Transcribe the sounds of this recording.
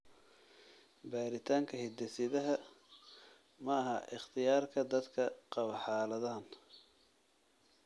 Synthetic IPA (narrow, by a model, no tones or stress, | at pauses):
baːɾɪt̪ʰaːŋkʰɐhɪd̪ɛsɪðɐɦɐ | mɐɐɦɐʔɪχt̪ʰɪjaːrkʰɐd̪ɐd̪kʰɐqɑβɐħɑːlɐðaːn